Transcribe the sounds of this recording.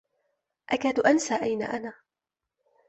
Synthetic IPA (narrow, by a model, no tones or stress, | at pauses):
ʔakaːd̪ʊʔansaːʔajna̰ːʔanaː